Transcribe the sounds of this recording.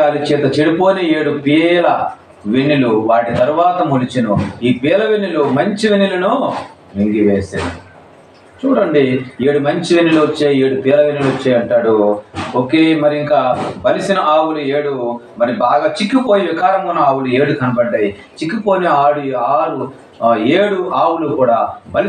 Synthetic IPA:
aːɾit͡ʃɛːt̪ɐt͡ʃeɽipo̞ːnee̞ːɽupiːɐlɐ | ʋenːiluʋaːʈit̪ɐɾuʋaːt̪ɐmulit͡ʃinuiːpiːɐlɐʋenːilumɐɲt͡ʃiʋenilɐnu | ʋeŋɡiʋeːsḛːɾu | t͡ʃuːɽɐɳɖie̞ːɽumɐɲt͡ʃiʋenːiluɐt͡ʃːeːe̞ːɽupiːɐlɐʋenːiluʋot͡ʃːeːjɐɳʈaːɽuokeːmɐɾiiŋkaːbɐlisinɐʔaːwulueːɽumɐɾibaːɡaːt͡ʃikːipoːjiʋikaːɾɐmɡunɐaːwulue̞ːɽukɐnɐbɐɖːaːji | t͡ʃikːipo̞ːneaːɽuaːɾu | eːɽuaːwulukuːɽaːbɐli

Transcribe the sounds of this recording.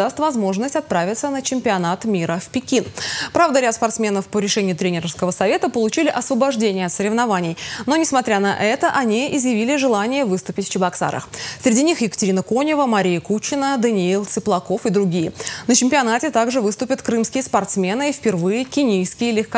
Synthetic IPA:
ast̪vɐzmo̞ʐnəsʲtʲɐt̪̚pɾavʲɪt̪sənət͡ɕɪmʲpʲɪɐnat̪mʲiɾəfpʲɪkʲinpɾavd̪əɾʲat̪spɐrt̪smʲe̞nəfpəɾʲɪʂɛnʲɪjʊt̪ɾʲenʲɪɾəfskəvəsɐvʲe̞t̪əpəlˠʊt͡ɕilʲɪʔɐsvəbɐʐdʲenʲɪjəɐt̪səɾʲɪvnɐvanʲɪjno̞nʲɪsmɐt̪ɾʲanɐ̰ʔɛt̪əʔɐnʲiʔɪzjɪvʲilʲɪʐɨlˠanʲɪjəvɨst̪ʊpʲɪtʲfʲt͡ɕɪbɐksa̰ɾə̰xsʲɾʲɪdʲinʲixjɪkə̥tʲɪɾʲinəkonʲɪvəmɐɾʲijəkut͡ɕːɪnəd̪ənʲɪilˠt̪sɨplˠɐko̞fɨd̪ɾʊɡʲijənət͡ɕɪmʲpʲɪɐnatʲɪt̪aɡʐɨvɨst̪ʊpʲət̪kɾɨmskʲɪjəspɐrt̪smʲe̞nɨifʲpʲɪrvɨjəkʲɪnʲijskʲɪjəlʲɪxk

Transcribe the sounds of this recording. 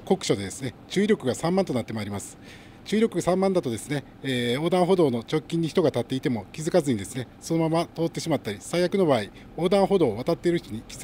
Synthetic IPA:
ko̞kɯ̟̥ɕod̪e̞d̪e̞sɨne̞t͡ɕɨːɾʲo̞kɯ̟ɡasãmːãnt̪onat̪ːe̞moaːɾʲimasɨ̥ | t͡ɕɨːɾʲokɯ̟ɡasãmːãnd̪at̪o̞d̪e̞sɨne̞ | eo̞ːd̪ãɰ̃ɦo̞d̪o̞ːno̞t͡ɕo̞kʲːĩɲ̟ːiçi̥t̪o̞ɡat̪at̪ːe̞it̪e̞mo̞kʲizɨkazɨɲ̟id̪e̞sɨne̞so̞no̞mamat̪o̞ːt̪ːe̞ɕimat̪ːaɾʲisaijakɯ̟no̞baːi | o̞ːd̪ãɰ̃ɦo̞d̪o̞ːβat̪at̪ːe̞ɾɯ̟çʲit̪o̞ɲ̟ikʲiz

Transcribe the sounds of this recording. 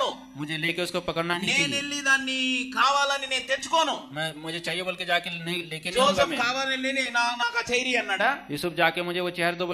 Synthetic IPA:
u | mʊd͡ʒʱeleːkeʊskopɐkəɽnanĩenilːid̪aːnːikʰaːʋaːlɐnineːnt̪et͡ʃːu̥koːnuːmɛ̃ːmʊd͡ʒʱet͡ʃaːɦijebɐlked͡ʒaːkenɐɦĩleːkɪnosɐkʰaːʋaːnileninaːnaːkat͡ʃɐiɾiɐnːaʈajuːsʊp̚ʰd͡ʒaːkemʊd͡ʒʱeʋot͡ʃɛːɦɛɾd̪ob

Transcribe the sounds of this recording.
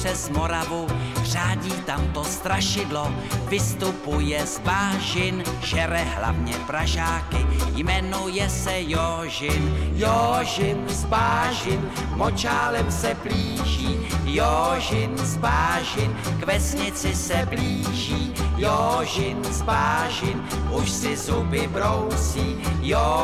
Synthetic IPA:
ɛzmo̞ɾavur̝̥aːɟiːt̪amt̪o̞st̪ɾaʃɪdlo | vɪst̪upujɛzbaːʒɪnʒɛɾɛɦla̰vɲɛpɾaʒaːkɪjmɛnojɛsɛjo | ʒɪnjoʒɪnzbaːʒɪn | mot͡ʃaːlɛmsɛbliːʒiːjoʒɪnzbaːʒɪnkvɛsɲɪt͡sɪsɛbliːʒiːjoʒɪnzbaːʒɪn | ʔuʃsɪzubɪbɾowt͡siːjo

